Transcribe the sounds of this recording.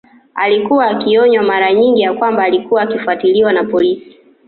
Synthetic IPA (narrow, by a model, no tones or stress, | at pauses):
a̰likuwaːkiɔɲwamaɾaɲiŋɡijakwambaːlikuwaːkifuatiliwanapɔlisi̥